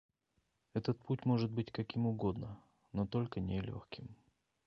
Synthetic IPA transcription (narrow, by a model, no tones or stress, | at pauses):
ɛt̪ət̪̚putʲmo̞ʐɨd̪̚bɨtʲkɐkʲimʊɡo̞d̪nə | not̪o̞lʲkənʲɪlʲo̰xkʲʰɪm